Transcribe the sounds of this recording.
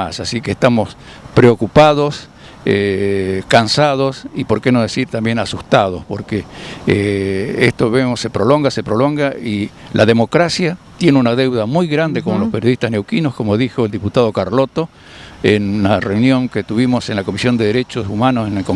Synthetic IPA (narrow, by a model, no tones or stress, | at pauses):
asasikeːst̪amo̞s | pɾeokupað̞os | ekansað̞o̞sipo̞ɾkeno̞ð̞esiɾt̪ambje̞nasust̪aðospo̞ɾke | est̪oβemose̞pɾo̞lo̞ŋɡase̞pɾolo̞ŋɡai | lʔaðemo̞kɾasjat̪je̞neunaðe̞wðamujɣɾand̪ekomolospeɾjoðiht̪asne̞wkinoskomo̞ðixoeld̪iput̪aðo̞kaɾlo̞t̪o̞ | enunareunjo̞ŋket̪uβimo̞senlako̞misjo̞nd̪eðeɾet͡ʃosumanosenelko